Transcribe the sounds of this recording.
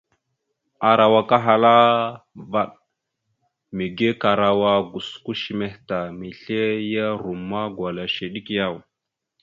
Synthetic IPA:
a˨ɾa˨wa˨ka˦ɦa˨la˦ | va˦˨ɗ | mi˨ɡe˦ka˨ɾa˨wa˦ɡu˨sku˦ʃi˨me˨hta˨mi˨ɬe˦ja˦ɾu˨mːa˦ɡwʷa˨la˨ʃe˨ɗi˦kja˦˨w

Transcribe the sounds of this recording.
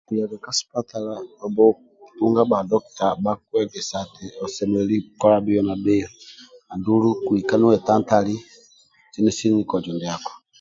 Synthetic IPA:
ku˨ja˨ɡa˨ka˦spa˦ta˨la˦ɔ˨bɔ˦˨ | tu˦ŋɡa˦ba˨ndɔ˦kta˨ba˦kwɛ˦ɡɛ˨sa˨tɛ˨ɔ˨sɛ˨mɛ˨lɛli˦kɔ˦ɾa˦bi˦jɔ˦na˨be˦jɔ˦a˨ndu˦lu˦ku˨i˨ka˦nu˦wɛ˨ta˦nta˦li˦ | t͡ʃi˦nɛ˦si˦ŋi˦kɔ˨d͡ʒɔ˨ndi˨a˨kɔ̥˨

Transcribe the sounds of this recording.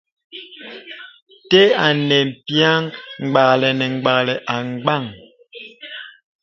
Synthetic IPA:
tɛ˦a˨nɛ˨m̩˨pja˦ŋŋ͡mɡ͡ba˨lɛ˨nɛ˨ŋ˨ɡ͡ba˨klɛ˨ʔa˨ŋ˦ɡ͡ba˦˨ŋ

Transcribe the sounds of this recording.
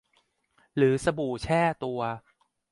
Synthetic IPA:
ɾɯː˩˦sa˧buː˨˩t͡ɕʰɛː˥˩t̪u˧ɐ

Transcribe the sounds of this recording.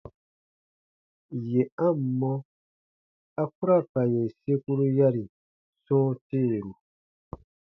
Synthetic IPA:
je˨a˦˨m̩˨mɔ˦ | a˦ku˦ɾa˦˨pa˨je˨se˦ku˦ɾu˦ja˦ɾi˨ | sɔ̃ː˦teː˦˨ɾu˨

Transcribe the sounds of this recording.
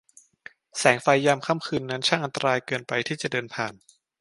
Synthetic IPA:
sɛː˩˦ŋfa˧jːa˧mkʰa˧˥˨mkʰɯː˧nːa˦˥nt͡ɕʰaː˥˩ŋʔa˧nt̪a˧ɾaː˧jkɤː˧npa˧jt̪ʰiː˥˩t͡ɕa˨˩dɤː˧npʰaː˨˩n

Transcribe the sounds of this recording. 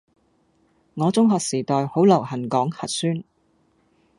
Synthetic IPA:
ŋɔː˨˧t͡sʊ˥ŋɦɔː˨˧k̚siː˨˩t̪ɔː˨˧jho˨˥wlɐ˨˩whɐ˨˩nkɔː˨˥ŋhɐ˨t̚syː˥n

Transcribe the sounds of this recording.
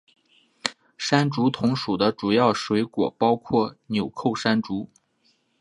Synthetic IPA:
ʂa˥nʈ͡ʂu˧˥t̪ʰʊ˧˥ŋʂu˨˩d̪ə˦ʈ͡ʂu˨˩jɑ˥˩ʊʂwe˧˥ɪkwɔ˨˩pɑ˥ʊkʰwɔ˥˩njo˨˩ʊkʰo˥˩ʊʂa˥nʈ͡ʂu˧˥

